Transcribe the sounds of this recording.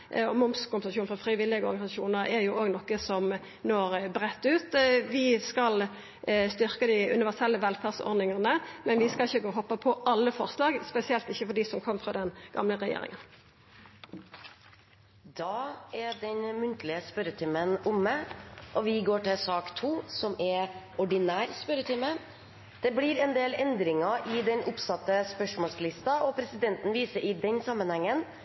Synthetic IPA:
ɔmʊmskʊmpəsɑʃuːnfʁɔfʁɪʋɪlːɪɡəɔ̰ɾɡɑɪsɑʃuːnəʁɛɾjʊʔoːɡnɔkːəsɔm | noːɾbɾɛt̪ːʉːt̪ʋɪskɑl | st̪ʏʁkəd̪ɪʉ̰nɪʋæʁsɛlːəʋɛlfædsɔ̰ɾd̪nɪŋɑʁnəmɛnʋɪskɑɪçːəɡoːɦɔpːəpʰɔʔɑlːəfɔʁslɑːɡspɛsɪɛlt̪ɪçːəfɔɖiːsɔmkʰɔmːfʁɑd̪ɛnɡ̥ɑ̰mləʁɛjḛːɾɪ̰ŋən | d̪ɑːɛɖɛnmʉnt̪lɪəspœɾət̪ʰɪmənʊmːəʔɔʋɪɡoːʈɪlsɑːkt̪ʰuːsɔmɛ | ɔɖɪnæːɾspœɾət̪ʰɪmə | d̪̥ɛblɪɾɛnd̪eːlɛnd̪ɾɪŋɑʔɪd̪ɛnʊpsɑt̪ːəspœʂmɔːlslɪst̪ɑɔpʰɾɛsɪd̪ɛnt̪n̩ʋiːsəɾɪd̪ɛnsɑmːənhɛŋːən

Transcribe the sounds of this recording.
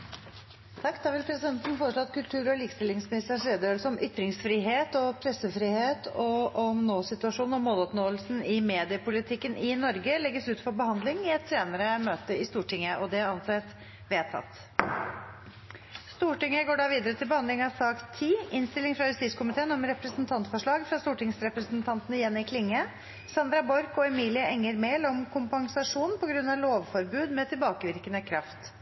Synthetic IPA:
t̪ʰɑkːd̪ɑːʋɪlpʰɾɛsɪd̪ɛnt̪n̩foːɾəʂlɔɑt̪kʰʉlt̪ʰʉːɾɔliːkst̪ɪlːɪŋsmɪnɪst̪əʂɾeːd̪əøːlsəɔmʔʏt̪ːɾɪŋsfɾiɦeːt̪ɔpʰɾɛsəfɾiːheːt̪ʰɔɔmnoːsɪt̪ʉɑʂuːn̩ɔmoːlɔpnoːəlsn̩ɪmeːd̪ɪəpʊlɪt̪ʰɪkːənʔɪnɔɾɡəlɛɡːəsʉːt̪fɔɾbəhɑnd̪lɪŋɪɛt̪ʰːɾeːnəɾəmøːt̪əɪst̪uːʈɪŋːəʔɔd̪ɛæɾɑnseːt̪ | ʋeːt̪ʰɑ̰t̪ː | st̪uːʈɪŋːəɡoːɖɑʋiːd̪əɾət̪ʰɪlbəhɑnd̪lɪŋɑʋsɑːkt̪ʰiːɪnst̪ɪlɪŋfɾɑjʉst̪iːskʰʊmɪt̪ʰeːənɔmɾɛpɾəsnt̪ʰɑnt̪fɔʂɭɑːɡfɾɑst̪uːʈɪŋsɾɛpɾəsnt̪ʰɑnt̪ənəɪjɛnːɪkʰlɪŋːə | sɑnd̪ɾɑbɔɾkɔɛmiːlɪəʔɛŋːəɾmeːlɔmkʰʊmpɑŋsɑʂuːnnpʰɔɡɾʉnːɑloːʋfɔɾbʉːd̪mɛt̪ʰɪlbɑːkəʋɪɾkənəkʰɾɑft̪

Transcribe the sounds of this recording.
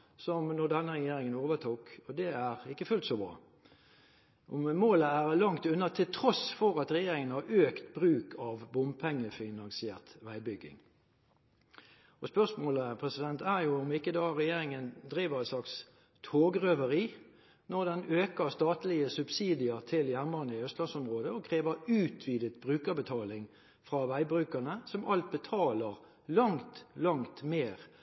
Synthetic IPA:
sɔmnɔd̪ɛnːəʁɛjeːɾɪŋənoːʋət̪ʰuːkɔd̪ɛæʁɪkːəfʉlt̪sɔbɾɑ̰ː | ʔɔmmoːləæʁlɑŋt̪ʉnːɑt̪ʰɪlt̪ʰʁɔsfɔɾɑt̪ʁɛjeːɾɪŋənhɑɾʔøːkt̪bʁʉːkʰɑʋbʊmpʰɛŋːəfɪnɑŋsɪeːʁt̪ʋæɪbʏɡːɪ̰ŋ | ɔspœʁsmoːləpʰʁɛsɪd̪ɛnt̪ʰæʁjʊʊmɪkːəd̪ɑːɾɛjeːɾɪŋənd̪ʁiːʋəʁɛnslɑks | t̪ʰoːɡʁœʋəʁiː | nɔʁd̪ɛnøːkəʁst̪ɑːt̪lɪəsʉb̥siːd̪ɪəʁt̪ʰɪljæʁməʁnəɪœst̪lɑnsɔmʁoːd̪əɔkʰʁeːʋəʁʉːt̪ʰʋiːd̪ət̪̚bʁʉːkəbət̪ʰɑːlɪŋ | fʁɑʋæɪbʁʉːkəʁnəsɔmʔɑlt̪̚bət̪ʰɑːləʁ | lɑŋt̪lɑŋt̪meːʁ

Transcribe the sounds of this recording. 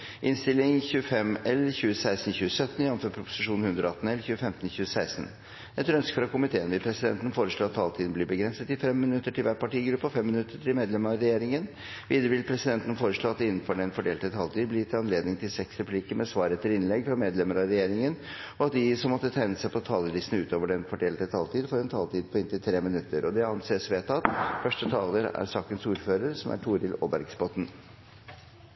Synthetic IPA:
ʔɪnst̪ɪlːɪŋçʉːəfɛmɛlçʉːəsæɪst̪n̩çʉːsœt̪ːn̩ɪɑnnføːpʰɾʊpʊ̥sɪʂuːnn̩hʉnd̪ɾɔɑt̪n̩ɛlçʉːəfɛmt̪ənçʉːəsæɪst̪n | ɛt̪ɾœnskəfɾɑkʊmɪt̪ʰeːənʋɪpʰɾɛsɪd̪ɛ̰nt̪ən̩foːɾəʂɭoːɑt̪ʰːɑːlt̪ʰiːd̪n̩blɪbəɡɾɛnsət̪ɪfɛmːmɪnʉt̪ːəʈʰɪlʋæːʈpɑʈiːɡɾʉpːɔfɛmːɪnʉt̪ːəʈʰɪmeːd̪lɛməɑɾɛjeːɾɪŋən | ʋiːd̪əɾəʋɪlpʰɾɛsɪd̪ɛnt̪ən̩foːɾəʂɭoːɑt̪ɪnːən̩fɔɖɛnfɔɖeːlt̪ət̪ʰɑːlt̪iːd̪blɪt̪ʰɪlɑnleːd̪nɪŋt̪ʰɪlsɛksɾɛpʰliːkəmɛsʋɑːɾəɛt̪ʰːɪɾɪnlɛɡfɾɑmeːd̪lɛməɾɑɾɛjeːɾɪŋən | ɔɑt̪̚d̪ɪsɔmːɔt̪ːət̪ʰæɪnəsæɪpʰɔt̪ʰɑːləlisnəʉːt̪oːʋəɖɛnfɔɖeːlt̪ət̪ʰɑːlt̪ʰiːd̪fɔɾɛnt̪ʰɑːlt̪ʰiːd̪̚pʰɔɪnt̪ɪlt̪ʰɾeːmɪnʉt̪ːəɾʔɔd̪ɛɑnseːsʋeːt̪ʰɑt̪fœʂʈət̪ʰɑːləɾæ̰ɾsɑːkənsuːɾføːɾəɾsɔmæ̰ʈʰuːɾɪlo̰ːbæɾɡsbɔt̪n̩

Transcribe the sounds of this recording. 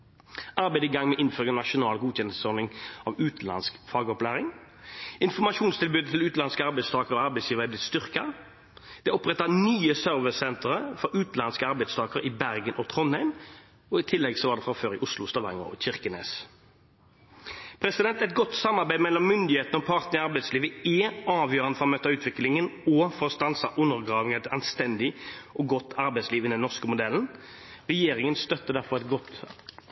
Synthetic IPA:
ɑɾbæɪd̪əiɡɑŋmɛʔɪnføːʁɪŋənɑʂʊnɑːlɡuːçɛnsəsɔɾnɪŋɑʋʉːt̪̩lɑ̰nskfɑːɡɔplæːʁɪŋ | ɪnfɔmɑʃuːnst̪ʰɪlbʉːd̪ət̪ʰɪlʉːt̪lɑnskəɑɾbæɪst̪ʰɑːkəʁɔɑɾʁbæɪsjiːʋəɛblɪt̪st̪ʏʁkɑ | d̪̥ɛɔpʁɛt̪ːɑnyːəsœɾʋəsɛnt̪əʁəfɔɾʉːt̪lɑnskəɑʁbɛɪd̪st̪ʰɑːkəʁɪbæʁɡənʔɔt̪ʰʁɔnhæɪm | ɔɪt̪ʰɪlːɛɡsɔʋɑʁd̪ɛːfʁɑføːɾɪʔʊslʊst̪ɑʋɑŋə̰ʁɔ̰çɪʁkənḛːs | pʰɾɛsɪd̪ɛnt̪ɛt̪̚ɡɔt̪sɑmɑʁbæɪmɛlːɔmːʏnd̪ɪheːt̪ənəɔpʰɑʁt̪nəʁɪɑʁbæɪt̪sliːʋəɛɑːʋjøːʁənəfɔʁɔmøːt̪ɑʉːt̪ʰʋɪklɪŋənɔːfɔʁst̪ɑnsɑʔʉnːəʁɡʁɑːʋɪŋæt̪ɑnst̪ɛnd̪ɪʔɔɡɔt̪ːɑɾbɛɪsliːʋɪnɛnːɔʁskəmʊd̪ɛln̩ | ʁɛjeːɾɪŋənst̪œt̪ːəd̪æʁfɔʁɛt̪ɡɔt̪

